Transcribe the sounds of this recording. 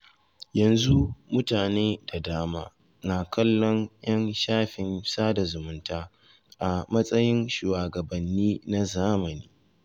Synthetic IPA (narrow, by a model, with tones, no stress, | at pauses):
jɐ˨nzu˦mʊ˦taː˨neː˦da˨daː˦maː˦ | naː˨kʰɐ˦lːɔ˦nj̰ɐ˦nʃaː˦ɸɪ˨nsaː˦da˨zʊ˨mʊ˦ntaː˦ | ʔa˨mɐ˦sʼɐ˦jɪ˦nʃuː˨waː˨ɡɐ˨bɐ˨nːiː˦na˦zaː˦mɐ˨niː˦